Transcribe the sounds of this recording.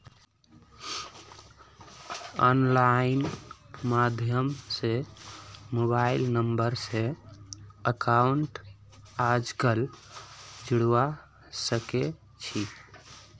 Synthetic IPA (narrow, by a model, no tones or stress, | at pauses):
ɔ̰nlainmad̪ʱjəmse | mobailnəmbəɾse | əkauɳʈ | ad͡ʒkəl | d͡ʒuɽwa | səke | t͡ʃʰi